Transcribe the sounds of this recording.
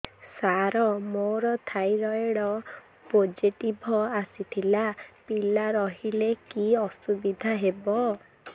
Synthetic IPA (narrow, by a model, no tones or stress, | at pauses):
saɾɔmoɾɔt̪ʰajɾɔeɽɔ | pod͡ʒiʈibʱɔasit̪ʰilapilaɾɔɦilekiɔsubid̪ʱaɦebɔ